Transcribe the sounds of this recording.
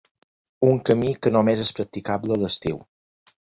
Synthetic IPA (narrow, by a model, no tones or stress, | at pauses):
uŋkəmikənomezespɾək̚t̪ikablələst̪iw